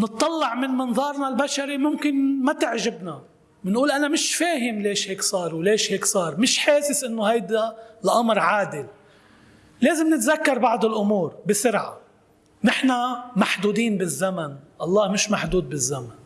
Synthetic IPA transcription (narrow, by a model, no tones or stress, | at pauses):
nɨt̪ˤːɑlːɑʕmɪnmɪnðˤɑːɾˤnalbaʃaɾimʊmkɪnmat̪ɪʕʒɪbna | mɪnʔuːlʔanamɪʃfeːɦɪmleːʃheːksˤɑːɾˤwleːʃheːksˤɑːɾˤmɪʃħaːsɪsʔɪnːohajd̪alʔamɾʕaːd̪ɪl | leːzɪmnɪt̪zakːɑɾˤbɑʕd̪ˤɪlʔʊmuːɾbɪsʊɾʕa̰ | nɪħnamaħd̪uːd̪iːnbɪzːamanʔɑlˤːɑːhmɪʃmaħd̪uːd̪̚bɪzːaman